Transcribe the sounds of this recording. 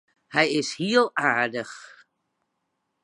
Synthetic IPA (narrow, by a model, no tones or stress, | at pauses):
hɛjɪshiəlˠaːɹdəx